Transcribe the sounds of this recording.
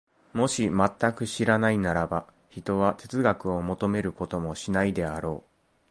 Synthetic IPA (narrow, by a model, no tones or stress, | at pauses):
mo̞ɕimat̪ːakɯ̟ɕiɾanainaɾaba | çit̪o̞β̞at̪e̞t͡sɨɡakɯ̟o̞mo̞t̪o̞me̞ɾɯ̟ko̞t̪o̞mo̞ɕinaid̪e̞aɾo̞ː